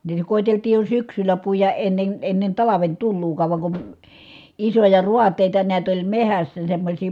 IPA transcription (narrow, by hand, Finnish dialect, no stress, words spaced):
niːtæ koˑiteltiːj jo syksylæ puijɑʔ ʔenːen enːen tɑlɑʋen tulːuːkɑːʋ ʋɑ kun isojɑ ruɑtˑeˑitɑ niæt olʲ mehæsːæ semːosʲiː